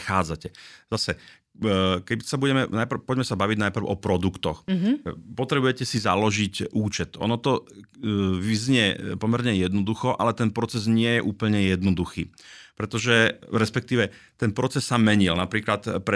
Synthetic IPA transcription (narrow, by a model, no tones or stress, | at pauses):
xaːd͡zacɛzasɛ | kɛbisabuɟɛmɛnajpɾ̩pɔɟmɛsabaʋiɟnajpr̩ʊʔɔpɾɔd̪ukt̪ɔx | pɔt̪ɾɛbujɛcɛsizalɔʒicʔuːt͡ʃɛt̪ʔɔ̰nɔt̪ɔ | ʋizɲɪɛpɔmɛɾɲɛjɛd̪nɔd̪uxɔʔa̰lɛt̪ɛnpɾɔt͡sɛzɲɪɛjɛʔuːpl̩ɲɛjɛd̪nɔd̪uxiːpɾɛt̪ɔʒɛɾɛspɛkt̪iːʋɛt̪ɛnpɾɔt͡sɛsːamɛɲilnapɾiːklat̪pɾɛ